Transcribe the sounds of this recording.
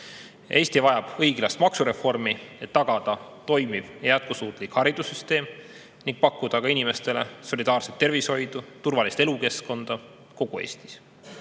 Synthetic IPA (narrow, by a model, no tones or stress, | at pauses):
ʔe̞ːst̪ivɑjɑb̥ɤjɡ̥lɑst̪mɑksuɾe̞fo̞rmie̞t̪ːɑɡ̥ɑd̪̥ɑt̪o̞jmiv̥jæt̪̚kusuːt̪ˑlikhɑɾid̪̥usyst̪e̞ːm | niŋɡ̥̚pɑkːud̪̥ɑkɑinime̞st̪e̞le̞so̞lid̪ɑːrset̪ːe̞rvisho̞jd̪̥ut̪urvɑlist̪e̞luke̞sko̞nd̪̥ɑ | ko̞ɡ̥ue̞̰ːst̪i̥s